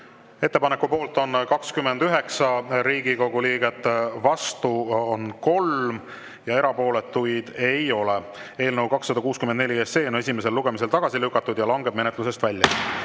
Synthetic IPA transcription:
e̞t̪ːe̞pɑnekːupo̞ːlt̪ˑo̞nkɑkskymːend̪yɦe̞ksɑɾiːɡiko̞ɡ̥uliːɡ̥e̞t̪ːˑvɑst̪uo̞nko̞lm | jɑe̞ɾɑpo̞ːle̞t̪ːujd̪̥e̞jo̞le | e̞ːlnəwkɑksːɑd̪ɑkuːskymend̪ne̞lʲiese̞ːone̞s̬ʲime̞s̬e̞lːuɡ̥e̞mis̬e̞lt̪ɑɡ̥ɑsilykːˑɑt̪ːˑud̪jɑlɑŋɡe̞b̚me̞net̪luse̞st̪vælʲjɑ

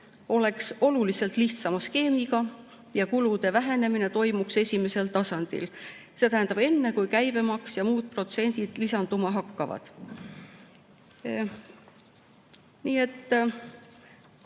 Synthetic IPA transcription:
o̞le̞kso̞lulise̞lt̪ˑliht̪sɑmɑske̞ːmiɡ̥ɑ | jɑkulud̪̥e̞væɦe̞ne̞mine̞t̪o̞jmukse̞sʲime̞se̞lt̪ɑsɑnd̪̥ḭl | se̞t̪æɦænd̪ɑb̥e̞nːe̞kujkæjbe̞mɑksjɑmuːd̪̥̚pro̞t̪se̞nʲd̪̥id̪̥lisɑnd̪̥umɑɦɑkːɑvɑ̰d̪̥ | niːe̞t̪ː

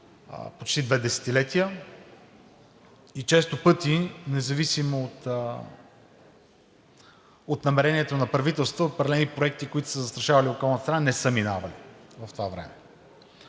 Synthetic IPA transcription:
pot͡ʃt̪id̪vɛd̪ɛsɛ̥t̪ilɛt̪ijə | it͡ʃɛst̪opɤt̪inɛzɐvisimoːt̪ | ot̪nɐmɛɾɛniɛt̪onɐpɾɐvit̪ɛlˠst̪vəot̪̚pɾɐd̪ɛlɛnipɾoɛk̚t̪ikoit̪ʊ̥səzəst̪ɾɐʃavɐliokɔlˠnət̪st̪ɾənanɛsəminavɐlivɐft̪ovavɾɛ̰mɛ

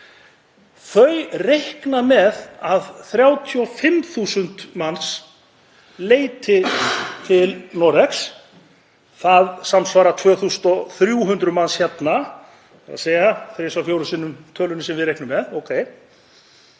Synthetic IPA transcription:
θœɥrehknamɛðaðθɾjaːwt̪ʰiɔfɪmθuːsʏnt̪mans | leːjt̪ʰɪt̪ʰɪlnɔɾɛks | θaðsamsvaːɾat̪ʰvœːθusʏ̥nt̪ɔθɾjuɦʏnt̪ɾʏmansçjɛt̪na | a̰ðseːjaθɾɪsawfjowɾʏsɪːnːʏmt̪ʰœːlʏnɪsɛmvɪðɾejhknʏmɛðoːwkʰeːj

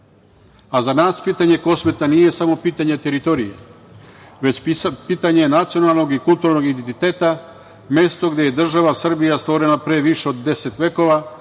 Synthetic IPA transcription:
azanaːspiːt̪aɲe̞ko̞sme̞t̪anije̞samo̞piːt̪aɲet̪e̞ɾit̪o̞ɾijḛ | ʋe̞t͡ɕpiːt̪aɲenat̪sio̞nalˠno̞ɡikulˠt̪uːɾno̞ɡid̪ent̪it̪e̞ːt̪a | me̞st̪o̞ɡd̪e̞je̞d̪r̩ʒaʋasr̩bijast̪ʋo̞ɾe̞napɾe̞ʋiʃe̞od̪ːe̞se̞t̪ʋe̞ko̞ʋa

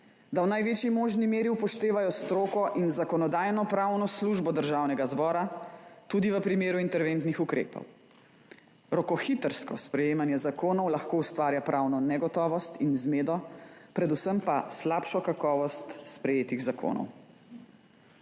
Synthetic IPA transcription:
d̪awnajʋeːt͡ʃjimoːʒnimeːɾiupɔʃt̪eːʋajɔst̪ɾoːkɔʔinzakɔnɔd̪aːjnɔpɾawnɔsluːʒbɔd̪əɾʒawnɛɡazbɔːɾat̪ud̪iʋəpɾimeːɾuint̪ɛɾʋent̪nixukɾḛːpɔ̰w | ɾɔkɔxit̪əɾskɔspɾɛjeːmanjɛzakoːnɔwlaxkoːust̪ʋaːɾjapɾʔawnɔnɛɡɔt̪ɔːʋɔst̪inzmeːd̪ɔpɾɛd̪usəmpaslapʃɔkakɔːʋɔst̪spɾɛjeːt̪iɣzakʰo̰ːnɔ̰w

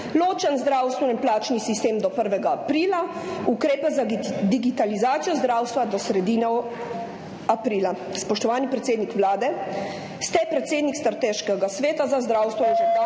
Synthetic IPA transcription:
loːt͡ʃənzd̪ɾaːwst̪ʋɛnɛnplaːt͡ʃnisist̪eːmd̪ɔpəɾʋɛɡaːpɾiːla | ukɾeːpɛzad̪iɡit̪alizaːt̪sijɔzd̪ɾawst̪ʋad̪ɔsɾɛd̪iːnɔ | apɾiːla | spɔʃt̪ɔʋaːnipɾɛt̪seːd̪nikʋlaːd̪ɛ | st̪ɛpɾɛt̪seːd̪nikst̪ɾat̪eːʃkɛɡasʋeːt̪azazd̪ɾawst̪ʋɔnʒɛ

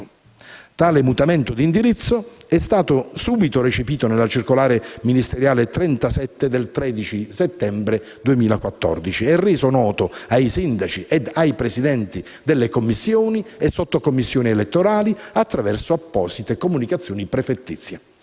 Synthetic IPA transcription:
t̪aːlemut̪amɛnt̪od̪ind̪iɾit̪sːoɛst̪aːt̪osuːbit̪oret͡ʃepiːt̪onelːat͡ʃirkolaːɾeminist̪eɾjaːlet̪ɾɛnt̪asɛt̪ːed̪elt̪ɾɛːd̪it͡ʃiset̪ːɛmbɾe | d̪uemiːlakwat̪ːɔ̰rd̪it͡ʃiɛrːeːzonɔːt̪oajsind̪at͡ʃiʔɛd̪ajpɾesid̪ɛnt̪i | d̪elːekomːisːjoːniesːot̪ːokomːisːjoːnielet̪ːoɾaːliat̪ːɾavɛrsoapːɔːz̥it̪ekomunikat̪sːjoːnipɾefet̪ːḭt̪sːja

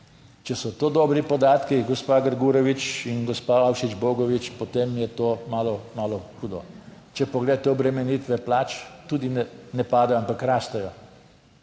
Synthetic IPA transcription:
t͡ʃɛsɔt̪oːd̪ɔːbɾipɔd̪aːt̪kiɡɔspaːɡəɾɡuːɾɔʋit͡ʃinɡɔspaawʃid͡ʒbɔːɡɔʋit͡ʃpɔt̪eːmjɛt̪oːmaːlɔmaːlɔxuːd̪ɔ | t͡ʃɛpɔɡled̪at̪ɛɔbɾɛmɛniːt̪ʋɛplaːt͡ʃt̪uːd̪inɛnɛpaːd̪ɛjɔampakɾaːst̪ɛjɔ

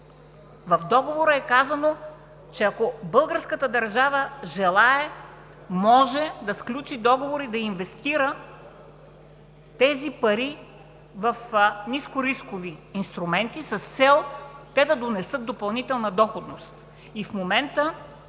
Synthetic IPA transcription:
vɐfd̪ɔɡovoɾəɛkazɐno | t͡ʃɛɐkobɤlˠɡəɾskət̪əd̪ɐɾʒavəʒɛlˠaɛ | mɔʒɛd̪ɐsklʲut͡ʃid̪ɔɡovoɾid̪ɐinvɛst̪iɾə | t̪ɛzipɐɾi | vɐfniskʊɾiskoviːnst̪ɾumɛnt̪isɐst̪sɛlˠt̪ɛd̪ɐd̪onɛsɤt̪̚d̪opɐlˠnit̪ɛlˠnɐd̪ɔxod̪nost̪ | ifmomɛnt̪ə

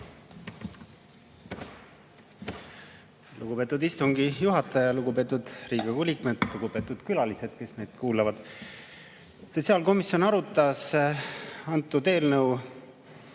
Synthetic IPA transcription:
luɡupe̞ːt̪ːˑud̪ist̪uŋɡijuɦɑt̪ːˑɑjɑluɡ̥ube̞ːt̪ːˑud̪̥riːɡ̥ɑkulʲikmed̪̥luɡ̥ube̞ːt̪ːˑud̪̥kylɑlise̞d̪̥ke̞sne̞jd̪̥kuːlɑvɑd̪̥ | so̞t̪siɑːlko̞misjo̞nɑɾut̪ːˑɑs | ɑnt̪ˑːud̪e̞ːlnɤw

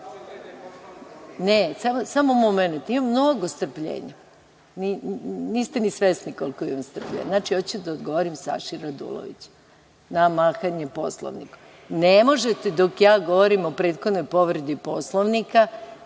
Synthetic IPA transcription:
nesamosamoumomenut̪imamːnoɡost̪r̩pʎḛːɲa | niniːst̪enisʋesnikolko̞imamst̪r̩plʎḛɲnat͡ʃiot͡ɕd̪aod̪ɡo̞ʋoɾimsa̰ʃiɾad̪ṵlˠo̰ʋḭt͡ɕ | namaːxaɲepo̞̰slˠo̰ʋnḭko̥ | nemo̞ʒet̪ed̪o̞kjaːɡo̞ʋoɾimo̞pɾe̞ːd̪xo̞d̪nojpo̞ʋɾed̪ipo̞slˠoʋnika

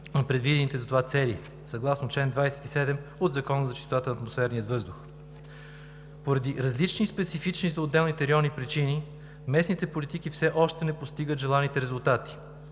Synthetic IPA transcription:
nɐpɾɛd̪vid̪ɛnit̪ɛzɐt̪ovat̪sɛlḭ | sɐɡlˠasnot͡ʃlɛnd̪vajsɛ̥t̪isɛd̪ɛmod̪zɐkɔnəzɐʃt͡ʃisot̪at̪ənɐːt̪mosfɛɾnijət̪vɤzd̪ʊx | poɾɐd̪iɾɐzlit͡ʃnispɛt̪sifit͡ʃnizɐod̪ːɛlˠnit̪ɛɾʲiɔnipɾit͡ʃini | mɛsnit̪ɛpolit̪ikifsɛʔɔʃt̪ɛnɛpost̪iɡət̪ʒɛlˠanit̪ɛɾɛzulˠt̪at̪i̥

